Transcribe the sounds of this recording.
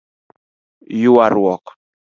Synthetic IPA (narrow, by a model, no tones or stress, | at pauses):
juwaɾwɔk